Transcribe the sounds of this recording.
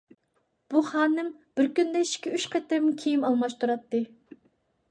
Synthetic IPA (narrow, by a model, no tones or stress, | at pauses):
b̥uχɑːnɨmb̥ɪɾkʲynd̪ɛʃkʲɛyʃqʰɑt̪ɪmkʲʰijimɑlˠmɑʃt̪ʰuɾɑt̪ːɨ